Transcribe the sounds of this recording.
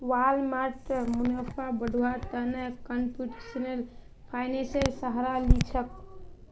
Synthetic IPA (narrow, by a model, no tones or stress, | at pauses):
walmaʈmunəpʰabəɖʱuwat̪ənəkəmpjuʈesənel | pʰajneselsəɦɾalit͡ʃʰək̚